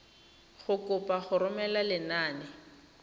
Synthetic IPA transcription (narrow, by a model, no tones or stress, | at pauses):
χʊkʼʊpʼaχʊɾʊmɛlalɪnaːnɪ